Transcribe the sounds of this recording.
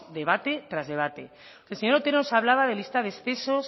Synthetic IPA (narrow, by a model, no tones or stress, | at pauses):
d̪e̞β̞at̪e̞t̪ɾazðe̞βat̪e̞ | elseɲoɾot̪eɾnosaβlaβað̞e̞list̪aðesθe̞so̞s